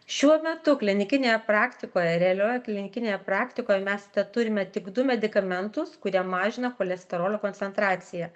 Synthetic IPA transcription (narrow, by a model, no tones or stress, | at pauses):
ʃʲuɔmʲɛt̪ʊklʲɪnʲɪkʲɪnʲeːjɛpɾɑːkt̪ʲɪkoːjɛɾʲɛɐlʲoːjɛklʲɪnʲɪkʲɪnʲeːjɛpɾɑːkt̪ʲɪkoːjɛmʲɛst̪ʲɛt̪ʊɾʲɪmʲɛt̪ʲɪɡd̪ʊmʲɛd̪ʲɪkɐmʲɛnt̪ʊskʊɾʲiɛmɑːʒʲɪnɐkoːlʲɛsʲt̪ʲɛɾoːlʲokoːnʲtsʲɛnt̪ɾɑːt̪sʲɪjɛ